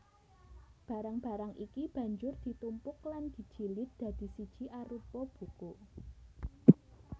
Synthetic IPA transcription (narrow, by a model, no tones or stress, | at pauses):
b̥a̤ɾaŋb̥ä̤ɾaŋʔikib̥ä̤ɲd͡ʒʊrd̪̥i̤t̪umpʊkland̪̥i̤d̥ʒ̥i̤lɪt̪̚d̪̥ä̤d̪̥i̤sid̥ʒ̥i̤ʔaɾupɔb̥uko